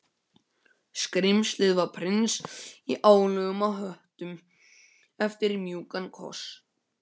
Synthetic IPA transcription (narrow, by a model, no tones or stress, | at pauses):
skɾɪmslɪðvapʰɾɪnsiʔaːwlœɣʏmawɦœht̪ʏm | ɛft̪ɪɾimjuːkankʰɔ̰s